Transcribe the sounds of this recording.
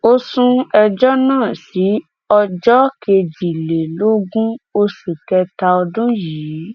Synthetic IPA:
o˦sũ˧ɛ˧d͡ʒɔ˦nãː˦˨si˨˦ | ɔ˧d͡ʒɔ˦ke˧d͡ʒi˨le˨lo˦ɡũ˦o˧su˨kɛ˧ta˧ɔ˧dũ˦jiː˨˦˨

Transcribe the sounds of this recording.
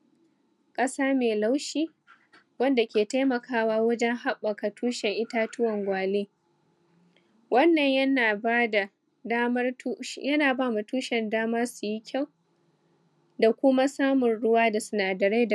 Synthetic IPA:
kʼɐ˦saː˦meː˨la˦wʃiː˦ | wɐ˦nda˨kʲeː˨ta˦mɐ˨kʰaː˦waː˦wɐ˦d͡ʒɛ˦ŋɦa˦ɓːɐ˨ka˨tʰuː˦ʃɛ˨ŋʔɪ˦taː˦tʊ˦wɐ˨ŋɡʷaː˨leː˦ | wɐ˦nːɐ˨ɲjɐ˦naː˨a˦da˨ | a˦mɐ˦rjɐ˦naː˨baː˦ma˨tuː˦ʃɛ˨ndaː˦mɐ˦rsu˨ji˦kʲʰa˦˨w | da˨kʷʊ˦ma˦saː˦mʊ˨nɽʊ˦waː˦da˨sʊ˨naː˨dɐ˨ɾe˦da˨

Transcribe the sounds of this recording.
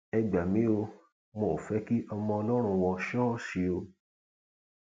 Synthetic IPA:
ɛ˧ɡ͡ba˨mĩ˨˦o˧ | mo˨fɛ˨˦ki˦ʔɔ˧mɔ̃˧ɔ˧lɔ˦ɾ̃ũ˧wɔ̃˧ʃɔ˦˨ʃi˧o˧

